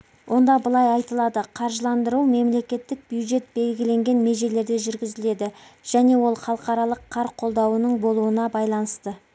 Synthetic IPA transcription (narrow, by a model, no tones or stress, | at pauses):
wʔo̞nd̪ɑbəlˠɑjɑjt̪əlˠɑd̪əqʰɑɾʒəlˠɑnd̪əɾuwme̞mle̞kʲe̞t̪ːɪk̚bjuwd̪ʒe̞t̪̚be̞lɡʲɪle̞ŋɡʲe̞nme̞ʒe̞le̞ɾd̪e̞ʒʏɾɡʲɪzɪle̞d̪ɪʒ̥æne̞wo̞lˠχɑlˠəqɑɾɑlˠəqʰːɑɾqʰo̞lˠd̪ɑwənəɴbo̞lˠuənɑbɑjlˠɑnəst̪ə